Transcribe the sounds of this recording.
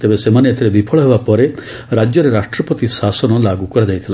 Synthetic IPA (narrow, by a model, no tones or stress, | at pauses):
t̪ebesemaneet̪ʰiɾebipʰɔɭɔɦebapɔɾe | ɾad͡ʒjɔɾeɾaʃʈɾɔpɔt̪isasɔnɔlaɡukɔɾad͡ʒajt̪ʰila